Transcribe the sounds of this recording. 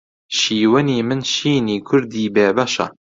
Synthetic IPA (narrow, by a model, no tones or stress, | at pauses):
ʃiːwɨniːmɨnʃiːniːkʰʊɾd̪iːbeːbɐʃɐ̰